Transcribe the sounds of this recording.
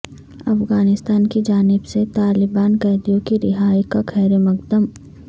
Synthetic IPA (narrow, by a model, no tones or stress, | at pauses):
ɐfɣaːnɪst̪aːnkid͡ʒaːnɪbset̪aːlɪbaːnkɛːd̪ijõkiɾɪɦaːikakʰɛːɾemɐkd̪əm